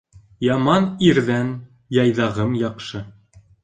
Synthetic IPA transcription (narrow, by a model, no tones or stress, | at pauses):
jɑmɑniɾðæn | jɑjðɑʁɤmjɑqʃɤ